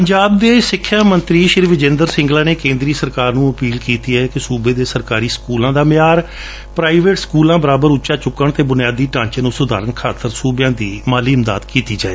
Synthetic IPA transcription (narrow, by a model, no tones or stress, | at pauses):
pəɲd͡ʒaːb̚d̪eːsɪkʰːjaːmənt̪ɾiːʃɪɾiːʋɪd͡ʒẽːnd̪əɾsɪ̃ŋɡlaːneːkẽːnd̪ɾiːsəɾkaːɾnũːəpiːlkiːt̪iːɛːkɪsuːbeːd̪eːsəɾkaːɾiːskuːlãːd̪aːmɪjaːɾ | pɾaːiʋeːʈskuːlãːbəɾaːbəɾʊːʃaːt͡ʃʊkːəɳt̪eːbʊnɪjaːd̪iːʈãːɲt͡ʃənũːsʊd̪a̰ːɾənkʰaːt̪əɾsuːbjãːd̪iːmaːliːɪmd̪a̰ːd̪kiːt̪iːd͡ʒaːḛː